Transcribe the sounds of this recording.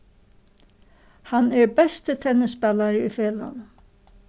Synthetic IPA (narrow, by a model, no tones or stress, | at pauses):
hanɛɹbɛst̪ət̪ʰɛnːɪspɛlaɹəʏfeːla̰n